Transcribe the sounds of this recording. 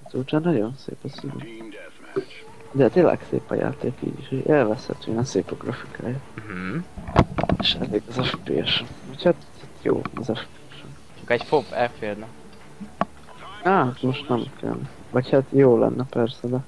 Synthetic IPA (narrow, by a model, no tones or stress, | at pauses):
ɒzuːt͡ʃaːnɒɟo̞nsḛːpɒsyvy̰ | d̪ɛt̪eːlːʔɛ̰ksḛːpɒ̰ja̰ːt̪eːkḭːɟiʃɟḛːlvɛshɛ̰t̪øːjɛnseːpoɡrɒfi̥kʰaːjam̩m̩ | eʃɛ̰leːɡɒzɛfpeːɛʃɛnochat̪ | at̪jo̰ːɒzɛfpeːjɛʃɛ | t͡ʃɒkɛcfopːɛlfeːld̪nɛ | at̪moʃt̪nɛmkʰɛ̰n | vɒchat̪joːlɛ̰nːɛpɛrsɛd̪ɛ